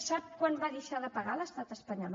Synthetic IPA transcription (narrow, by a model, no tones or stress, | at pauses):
sap̚kwanbaðəʃaðəpəɣaləst̪at̪əspəɲɔl